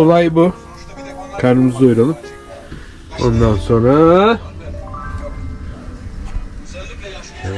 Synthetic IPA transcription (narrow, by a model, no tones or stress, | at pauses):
olˠajbʊ | kʰaɾnɯmɯzojɾalˠɯm | o̞̰nd̪anso̞nɾa